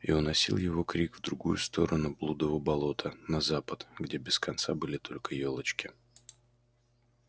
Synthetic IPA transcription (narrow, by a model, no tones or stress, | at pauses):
ionːɐsʲḭlˠjɪvo̞kɾʲikvd̪ɾʊɡujʊst̪o̞ɾənʊblˠud̪əvəbɐlˠo̞t̪ʰənɐzapət̪ɡdʲebʲɪskɐnt̪sabɨlʲɪt̪ʰo̞lʲkəjolˠət͡ɕkʲɪ